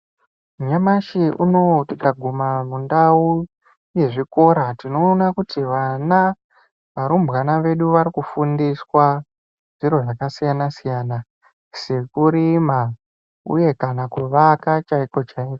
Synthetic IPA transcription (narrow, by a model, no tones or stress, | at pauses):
muɲamaʃiʔuno̞tikaɡʱumamundau | je̞ʐiko̞ɾatino̞ːnakutiʋana | ʋaɾumbɣanaʋe̞ɗuʋaɾikufundiswa | ʐ̥iɾo̞ʐakasijanasijaːna | se̞kuɾima | ṵje̞kanakuʋakat͡ʃaiko̞t͡ʃaiːko